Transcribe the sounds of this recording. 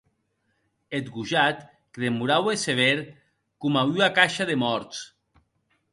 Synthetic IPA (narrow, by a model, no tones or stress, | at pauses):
et̪ɡuʒat̪ | kðemuɾaweseβ̞eɾ | kumayakaʃaðemɔɾt̪s